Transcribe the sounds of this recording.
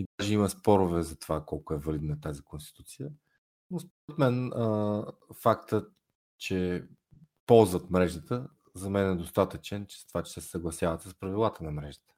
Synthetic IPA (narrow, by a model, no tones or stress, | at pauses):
id̪aʒɛiməspɔɾʊvɛzɐt̪ovakɔlˠkoɛvɐlid̪nət̪azikonst̪i̥t̪ut̪sijə | nospoɾɛt̪mɛnəfakt̪ə | t͡ʃɛ | pɔlˠzvət̪mɾɛʒd̪ət̪ə | zɐmɛnɛd̪ost̪at̪ət͡ʃɛnt͡ʃɛ̥st̪ovat͡ʃɛ̥sɛsəɡlˠɐsjavət̪səspɾɐvilˠat̪ənɐmɾɛʒd̪ə̥t̪ə̥